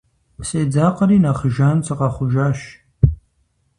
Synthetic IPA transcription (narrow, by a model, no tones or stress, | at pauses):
sʼeːd͡zaːqəɾiːnaːχəʒaːnt͡sʰɨqɑχʷʊʒaːʃ